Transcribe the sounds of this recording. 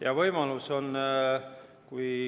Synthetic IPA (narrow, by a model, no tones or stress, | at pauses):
jɑvɤjmɑluso̞n | kuj